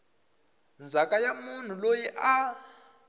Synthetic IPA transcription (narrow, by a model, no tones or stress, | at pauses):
nd͡zʱakʼajamun̤ulojiʔa